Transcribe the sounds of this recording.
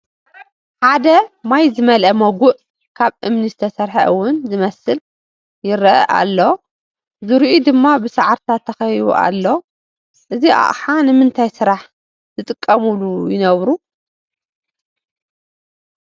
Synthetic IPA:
ħad̪ɐmajzɨmɐlʔɐmɐɡʷʊʔ | kʰaβʔɨmnizɨt̪ʰɐsɐɾħɐ̰ʔɨwʊnzɨmɐsɨl | jɪɾɐ̰ʔa̰lːo | zɨɾiʔud̪ɨmːabɨsaʕaɾt̪ʰat̪ʰːɐxɐjṵʔa̰lːo̞ | ʔɨziʔa̰ʔħanɨmɨnt̪ʰajsɨɾaħ | z̥ɨt̪ʼɨkʼːɐmulujɪnɐβɾu

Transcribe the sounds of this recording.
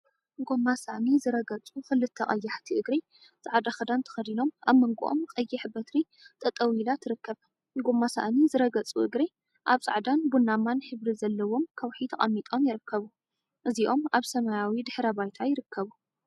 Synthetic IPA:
ɡo̞mːasa̰ʔnizɨɾɐɡɐt͡sʼuxɨlɨt̪ʰːɐχʼɐjːaħt̪ʰiʔɨɡɾi | zʼaʕd̪axɐd̪ant̪ʰɐ̥xɐd̪ino̞maβmɐŋɡuʔo̞̰mkʼɐjːɪħbɐt̪ɾi | t̪ʼɐt̪ʼɐwilat̪ʰɨɾɨkːɐβ | ɡo̞mːasa̰ʔnizɨɾɐɡɐt͡sʼuʔɨɡɾi | ʔaβt͡sʼa̰ʕd̪anbunːamanħɨβɾizɐlːɐwo̞mkʰɐwħit̪ʰɐχʼɐ̰mːit̪ʼo̞mjɪɾɨkːɐβu | ʔɨziʔo̞maβsɐmajawid̪ɨħɾɐbajt̪ʰajɪɾɨkʰːɐβu

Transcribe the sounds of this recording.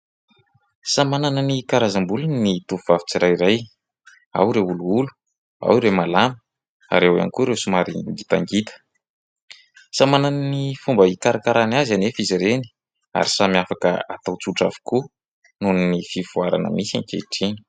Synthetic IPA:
samananənikaɾazambulunit̪uvuvavi̥t͡siɾajiɾaj | a̰wɾeuluulu̥ | a̰wiɾemalamə̥ | a̰ɾewa̰nikuɾewsumaɾiɡit̪aŋɡit̪ə̥ | samanannifumbəikaɾakaɾanazanefiziɾeni̥ | a̰ɾisamiafakə̰at̪awt͡suʈ͡ʂa̰vi̥ku | nuninifiv̥uaɾa̰nə̰misankḛʈ͡ʂini̥

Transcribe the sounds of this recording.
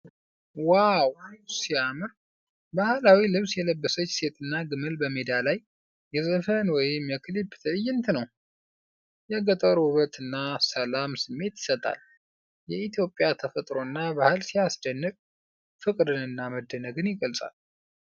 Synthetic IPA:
wawsiamɨɾ | bahlawilɨβsjɛləbːəsət͡ʃːse̞t̪ʼɨnːaɡɨmɨlbəmed̪alajː | ɛzəfənwɔjɪmjɛkʰɨlibt̪ʰəjːɪnt̪ʰɨnəw | jɛɡət̪ʼəɾuβət̪ɨnːasəlamsɨmːe̞t̪jɪ̥sət̪ʼa̰l | jɛit̪ʰjo̞pʼjat̪ʰəfət̪ʼɾo̞nːabahɨlsijasd̪ənːɨkʼ | fɨkʼd̪ɨnɨnːaməd̪ːənəɡɨnjɪɡəlsʼa̰l

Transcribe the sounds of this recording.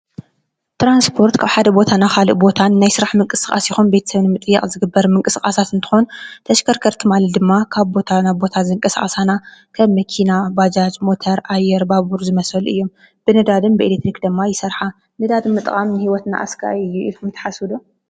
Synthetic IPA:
t̪ɾanspʰo̞ɾt̪kʰaβħad̪ɐbo̞t̪ʰanaxalɨ̰ʔbo̞t̪ʰanːajsɨɾaħmɨŋkʼɨsɨkʼa̰sjɪxunbe̞t̪ʰɐsɐβnɨmɨt̪ʼɨjːɛχʼzɨɡɨbːɐɾmɨŋkʼɨsɨkʼasat̪ɨnt̪ʰɨ̥xo̞nt̪ʰɐʃkʰɐɾkʰɐɾt̪ʰɨmalɐd̪ɨmːakʰaβbo̞t̪ʰanabo̞t̪ʰazɨŋkʼɐsa̰χʼɐsanakʰɐβmɐkʰinabad͡ʒat͡ʃʼmo̞t̪ʰɐɾʔajːɛɾbaβuɾzɨmɐsɐlɨjːom | b̥ɨnɨd̪ad̪ɨmbɨelek̚t̪ɾikd̪ɨmːajɪsɐɾħa | nɨd̪ad̪ɨmːɨt̪ʼɨkʼamnɨhiwɔt̪na̰ʔa̰skʰa̰ɨjːuikumt̪ʰɐ̥ħasud̪u

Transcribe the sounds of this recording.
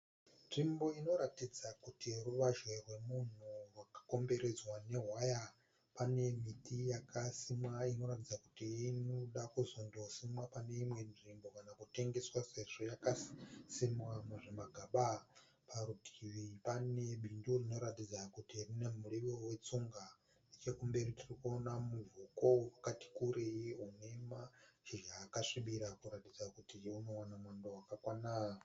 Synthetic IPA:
nʐimbo̞ino̞ɾatid͡zakutiruʋaʒwerwe̞mun̤urwakḁko̞mbe̞ɾe̞d͡zwane̞ɦwaja | pane̞mitʰijakʰasimwaino̞ɾatid͡zaku̥tiːnoɗakuzondo̞simwapane̞imwe̞nʐimbo̞kanakute̞ŋɡe̞swase̞ʐo̞jakasimwamuʐemaɡʱaɓa | pʰaɾutʰiwipaneɓʱindurino̞ɾatid͡zakutirinemuɺiʋowet͡suŋɡa | net͡ʃekumbe̞ɾitirikuonamuvukoakati̥kuɾejiunemaʒiʒaːkaʂiɓiɾakuɾatid͡zakutiunowanamwandowakakwana

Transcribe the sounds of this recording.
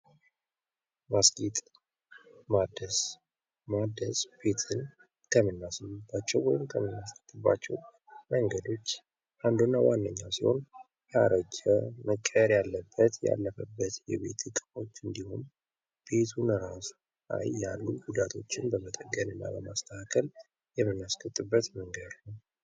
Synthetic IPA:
masɡit̪ʼ | mad̪əs | mad̪əsb̥e̞t̪ʰɨn | kʰəmɨnːasɨbːat͡ʃːɛwwɔjɪmkʰəmɨnːast̪ʰət̪ːɨbːa̰t͡ʃːɛw | məŋɡəd̪o̞t͡ʃː | ʔand̪unːawanːəɲːawsiho̞̰n | jaɾəd͡ʒəməkʼːəɾjalːəbːət̪ja̰lːəfəbːət̪jɛ̰βe̞̰t̪ʰɨkʼɨfo̞t͡ʃːɨnd̪ihum | b̥e̞t̪ʰunəɾas | la̰jːalːuɡud̪at̪ʰo̞t͡ʃːɪnbəmət̪ʼəɡːənɨnːa̰bəmast̪ʰəhakʰəl | jɛmːɨnːaskʰʼət̪ʼːɨbːət̪məŋɡəd̪nəw

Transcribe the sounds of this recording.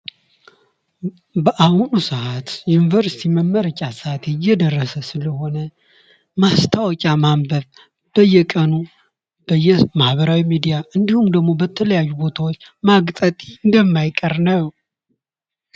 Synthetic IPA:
bəʔahunusəʔat̪junivəɾsi̥t̪ʰiməmːəɾət͡ʃʲʼasəat̪ejːɛd̪ərːəsəsɨləho̞nə | mast̪ʰawɔkʼamambəβ | b̥əjːɛkʼənu | b̥əjːɛmahβəɾawimid̪ijaʔɨnd̪ihumd̪əɡmo̞bət̪ʰələjajːubo̞t̪ʰawot͡ʃːmaɡt̪ʼət̪ʼi̥ɨnd̪əmːajkʼəɾnəw

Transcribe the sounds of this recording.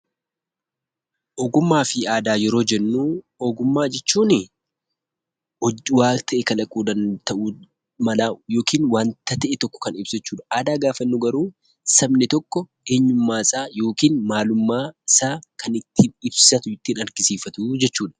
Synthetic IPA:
ʔɔɡʊmːaːfɪaːd̪aːjɛɾo̞ːd͡ʒɛnːuː | ɔɡʊmːaːd͡ʒɛt͡ʃːuːnɪ | ɔwaːt̪ʰɐʔɛkɐlɐkʼuːd̪ɐnt̪ɐʔuː | mɐlaːjo̞ːkiːnwaːnt̪ɐt̪ɛʔɛt̪ɔkːɔ̥kɐnɪb̥sɪt͡ʃːuːᶑɐ̥ʔaːd̪aːɡaːfɐnːʊɡɐɾuː | sɐbnɪt̪ɔkːɔʔeːɲːʊmːaːɪsʼaːjo̞ːkiːnmaːlʊmːaːɪsaːkɐnɪt̪ːiːnɪbsɐt̪ʊɪt̪ːiːnɐɾɡɪsiːfɐt̪uːd͡ʒɛt͡ʃːuːᶑɐ̥

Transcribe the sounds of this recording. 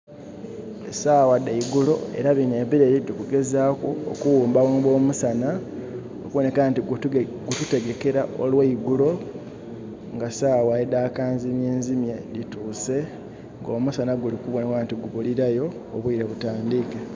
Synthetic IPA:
esaːwadeiɡulo̞̰e̞̰ɾaβineβiɾeɾidikuɡe̞zaːkuo̰kuwuːmbawaːmbo̞ːmusana | o̰kuβone̞kantiɡɡutute̞ɡe̞ke̞ɾaʔo̰lweiɡulo̞ | ŋɡasaːwajedaːkaːnzimjeːnzimje̞dituːse̞ | ŋɡo̞ːmusanaɡulikuβonekantiɡuβuliɾajo̞ː | βwiɾeβutaːndike

